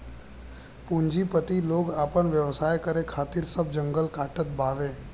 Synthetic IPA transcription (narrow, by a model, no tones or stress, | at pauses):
pũɲd͡ʒipət̪iloːɡaːpəɳʋjəʋsaːjkəɾekʰaːt̪iɾsəb̚d͡ʒə̃ŋɡəlkaːʈət̪̚baːʋe